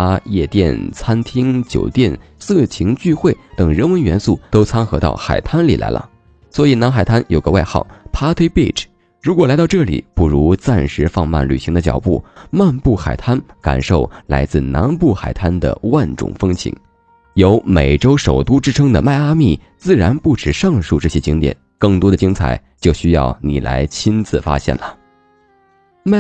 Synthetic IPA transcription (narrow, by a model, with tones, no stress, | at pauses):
a˥jɛ˥˧t̪jɛ̰˥˩nt͡sʰa˥nt̪ʰi˥ŋt͡ɕjo̰˨˩ʊt̪jɛ˥˧n | sɹ̩˥˩t͡ɕʰi˧˥ŋt͡ɕy˥˧xwe˥˩ɪt̪ɤ˨˩ŋɻə˧˥nwə˧˥nɥɛ˧˥nsu˥˩t̪o˥ʊt͡sʰa˥ŋxɤ˧˥t̪ɑ̰˥˩ʊxa̰˨˩ɪt̪ʰa˥nli˨˩la̰˧˥ɪlʔə̰˧ | swɔ˧˥i˨˩na˧˥nxa˨˩ɪt̪ʰa˥njo˨˩ɡə˦wa˥˧ɪxɑ̰˥˩ʊpʰa˥t̪ʰe˥ɪpi˥˩ʈ͡ʂ | ɻu˧˥kwɔ˨˩la˧˥ɪt̪ɑ˥˧ʊʈ͡ʂɤ˥˩lḭ˨˩˦pu˥˩ɻu˧˥t͡sa˥˩nʂɻ̩˧˥fɑ˥˧ŋma̰˥˩nly̰˨˩ɕi˧˥ŋd̪ə˧t͡ɕjɑ˨˩ʊpṵ˥˩ma˥˧npu˥˩xa˨˩ɪt̪ʰa˥nka̰˨˩nʂo˥˩ʊla˧˥ɪt͡sɹ̩˥˩na̰˧˥npu˥˩xa̰˨˩ɪt̪ʰa˥nd̪ə̰˨wa˥˩nʈ͡ʂʊ̰˨˩ŋfɤ˥ŋt͡ɕʰḭ˧˥ŋ | jo˧˥ʊme˨˩ɪʈ͡ʂo˥ʊʂo˨˩ʊt̪u˥ʈ͡ʂɻ̩˥ʈ͡ʂʰɤ˥ŋd̪ə̰˨ma˥˩ɪa˥mi˥˩ | t͡sɹ̩˥˩ɻa˧˥npu˥˩ʈ͡ʂɻ̩˨˩ʂɑ˥˧ŋʂu˥˧ʈ͡ʂɤ˥˩ɕjɛ˥t͡ɕi˥ŋt̪jɛ̰˨˩˦nkɤ˥˩ŋt̪wɔ˥d̪ə˩t͡ɕi˥ŋt͡sʰa̰˨˩ɪ | t͡ɕjo˥˩ʊɕy˥jɑ̰˥˩ʊnḭ˨˩la̰˧˥ɪt͡ɕʰi˥nt͡sɹ̩˥˩fa̰˥ɕjɛ̰˥˩nlə˩ | ma˥